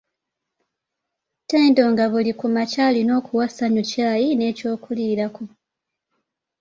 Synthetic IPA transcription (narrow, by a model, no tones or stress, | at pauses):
teːndo̞ŋɡaβulikumacalino̞ːkuwasaɲucaːjine̞ːco̞ːkuliːɾako